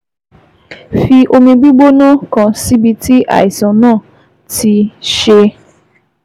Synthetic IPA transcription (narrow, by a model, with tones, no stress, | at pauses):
fi˦ʔo˨me˨bi˦ɡ͡bo˦nɔ˦kɔ̃˨si˦bi˨ti˦ʔa̰˨ɪ˨zɔ̃˨nɔ̃˦˨ | tʰi˨ʃe˦